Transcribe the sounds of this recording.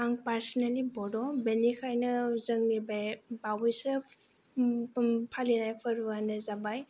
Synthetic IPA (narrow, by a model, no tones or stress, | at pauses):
aŋpaɾsɔnalibɔdɔbenikʰajnɯzəŋnibajbawise | pʰalinajpʰəɾuanɯzabaj